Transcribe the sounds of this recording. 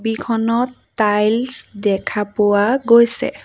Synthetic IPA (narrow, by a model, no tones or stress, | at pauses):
bikʰɔnɔtːajlsdɛkʰapʊwaɡojsɛ̰